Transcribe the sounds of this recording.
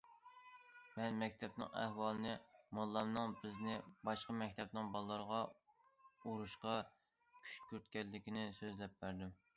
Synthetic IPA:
mɛnmɛkʲt̪ʰɛpnɨ̰ŋæ̰hwɑlˠɨnɨmɑlˠːɑmnɨŋbɪznɪbɑʃqɑmɛk̚ʲt̪ʰɛpnɪŋbɑlˠlːˠəɾəʁɑ | uɾuʃqɑ | kʲʰy̥ʃkʲyɾt̪̚kʲɛlːɪkʲinɪsøzlɛp̚bæɾd̪ɪm

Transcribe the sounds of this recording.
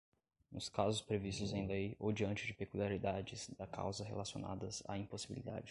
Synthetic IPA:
nʊskazʊspɾevist̪ʊzaĩd̪ɐijowd͡ʒiɐ̃nt͡ʃɪd͡ʒɪpekuliaɾid̪ad͡ʒɪz̥d̪ɐkʰa̰wzɐɦḛlasio̰na̰d̪ɐza̰ĩposibḭlḭd̪a̰d͡ʒɪ

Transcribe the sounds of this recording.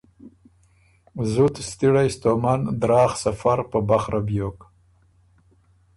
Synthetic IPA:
zut̪st̪iɽajst̪omand̪ɾɑːxsafaɾpəbaχɾʔabjok

